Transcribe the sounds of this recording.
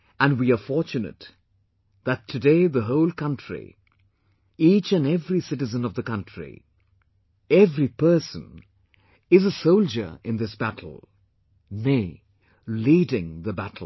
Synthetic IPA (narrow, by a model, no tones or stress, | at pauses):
ɨ̃nwiəfɔɹt͡ʃɨnɨ̰t̪ | ðɨtʰːɨdeɪðəɦoʊlˠkʰʌ̃ntɹ̥ḭ | it͡ʃɨ̃nɛvɹisɪɾɨzə̃nʌvðəkʌ̃ntʰɹ̥ḭ | ɛvɹipʰɜ˞sə̰̃n | ɪzəsoʊlˠd͡ʒə̰˞ɪ̃nðɪsb̥æɾʰl̩ˠ | neɪ | lidɪ̃ŋðəbætl̩